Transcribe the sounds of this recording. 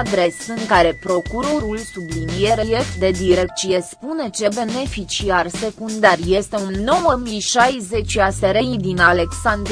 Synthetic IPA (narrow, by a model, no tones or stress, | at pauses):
d̪ɾe̞sɨŋkaɾe̞pɾo̞kuɾo̞ɾulsublinije̞ɾeje̞kt̪̚d̪e̞d̪iɾe̞k̚t̪sie̞spune̞t͡ʃe̞be̞ne̞fit͡ʃiarse̞kund̪arje̞st̪e̞unːo̞wəmiʃajze̞t͡ʃʲaseɾejid̪inale̞ksand̪